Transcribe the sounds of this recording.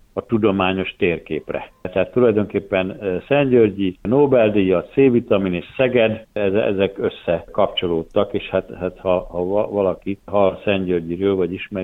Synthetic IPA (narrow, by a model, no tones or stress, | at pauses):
ɒt̪ud̪o̞maːɲo̞ʃt̪eːrkḛːprɛ̰t̪ɛɦaːt̪ːulɒjd̪oŋkeːpːɛnsɛɲɟørɟinoːbɛld̪ijɒt̪seːvit̪ɒmineːʃsɛɡɛd̪ɛzɛ̰zɛkøsːɛkɒpt͡ʃo̞loːt̪ːɒkeːʃhat̪hat̪hɒhɒvɒlɒkit̪ɦɒlsɛɲɟørɟiɾøːlvɒɟiʃmɛ